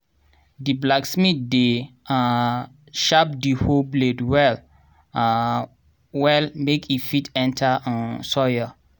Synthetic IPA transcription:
diblaksmit̚dea | ʃap̚dihobledwɛl | wɛlmekʰifitɛ̃ntʰaʔɔ̃nsɔja

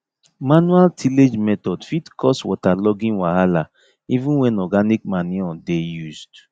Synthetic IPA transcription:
manualtʰiled͡ʒmɛtɔdfitkʰɔswɔtalɔɡĩnwahala | ivũnwɛ̃nɔɡanikmaniɔ̃dejuzd

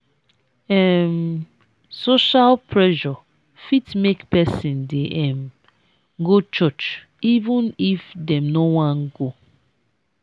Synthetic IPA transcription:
ɛm | soʃalpʰɹɛʒɔ | fitmekpɛsĩndeʔɛ̃m | ɡot͡ʃɔt͡ʃ | ivũnifdɛ̃mnowãnɡo

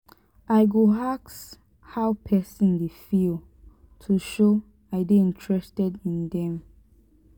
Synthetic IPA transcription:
ʔaɪɡoɦaks | hawpʰɛsĩndefil | tʰuʃo | aɪdeĩnt͡ʃʰɹɛstɛdĩndɛ̃m

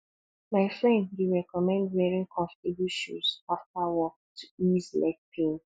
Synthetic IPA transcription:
maɪfɹɛ̃ndwiɹɛkɔmɛ̃ndwɛɹĩŋkʰɔ̃nftibuʃṵsaftawɔktʰu̥izla̰ɪk̚pʰẽn

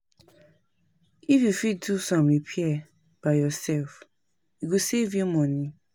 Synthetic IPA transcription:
ifjufid̚dusɔ̃mipʰiɛ | b̥ajɔsɛlf | iɡusevjumɔ̃nĩ

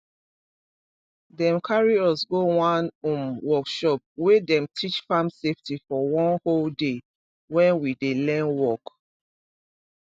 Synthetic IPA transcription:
dɛ̃mkʰaɹiɔsɡowãnũmwɔkʃɔp̚wedɛ̃mtʰit͡ʃfãmseftifɔwɔ̃nholde | wɛ̃nwidelɛ̃nwɔk

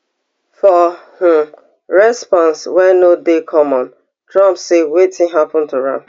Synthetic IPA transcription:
fɔh̩ | ɹɛspɔ̃nswɛnodekʰɔmɔ̃n | tʰɹãmpsewetʰɪ̃ŋɦapɔ̃n̩tuɹã̰m

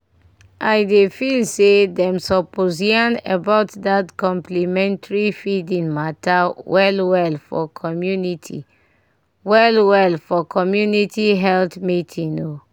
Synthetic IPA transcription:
ʔaɪdefilsedɛ̃msɔpoziãnḛbaʊtdatkɔ̃mplimɛ̃ntaɹifidĩnmatawɛlwɛlfɔ̰kʰɔmjunitʰḭ | wɛlwɛlfɔkʰɔmjunitiɦɛltmitʰĩno

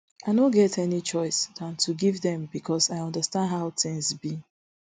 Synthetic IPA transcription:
aɪnõɡɛtɛnit͡ʃɔɪsdãntʰuɡivðɛ̃mbikʰɔsaɪɔ̃ndəstãndɦaʊtɪ̃ŋzbi

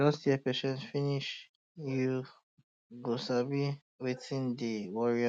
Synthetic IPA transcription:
ɔstiɛpɛʃɛ̃ntfiniʃ | ju | ɡosabi | wiθĩnd̪iwɔɹi

